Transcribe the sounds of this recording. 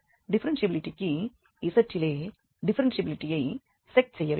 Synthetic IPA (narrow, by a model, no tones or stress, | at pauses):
ɖipʰɐɾɐnsjɐbiliʈikːi | isɐɾt͡ʃileː | ɖipʰɐɾɐnsɐbiliʈijɐj | sek̚ʈsɛjːɐʋ